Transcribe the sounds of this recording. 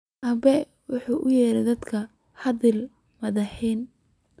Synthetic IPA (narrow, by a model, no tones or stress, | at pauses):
ʔɐbɛ | wʊħuːʔʊjɛːɾɛd̪ɐd̪kʰɐ | hɐðɪl | mɐðɐħiːn